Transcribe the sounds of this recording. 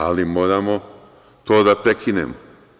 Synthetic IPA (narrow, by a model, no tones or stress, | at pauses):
alimoːɾamo | t̪oːd̪apɾekʰinḛmo